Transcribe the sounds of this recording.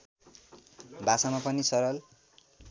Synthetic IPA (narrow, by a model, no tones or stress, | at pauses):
basamapʌnisʌɾʌl